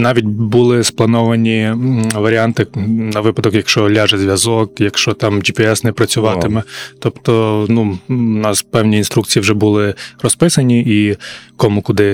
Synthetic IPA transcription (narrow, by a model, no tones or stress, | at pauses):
nɑʋʲit̚ʲbulˠɪsplˠɐnɔʋɐnʲiʋɐɾʲiɑnt̪ɪnɐʋɪpɐd̪ɔkjɐkʃt͡ʃɔlʲaʒɛzʲʋʲjɐzɔkjɐkʃt͡ʃɔt̪ɑmd͡ʒipɛɛsnɛpɾɐt͡sʲʊʋɑt̪ɪmɛt̪ɔpt̪ɔnunɑspɛwnʲiinst̪ɾukt͡sʲijiwʒɛbʊlˠɪrɔspɪsɐnʲiikɔmukʊd̪ɪ